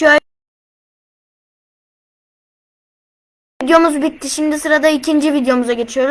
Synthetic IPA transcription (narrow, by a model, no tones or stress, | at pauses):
ø | id̪jo̞muzbit̪ʰːiʃimd̪isɯɾad̪aicʰind͡ʒivid̪jo̞muzaɟe̞t͡ʃʰijo̞ɾ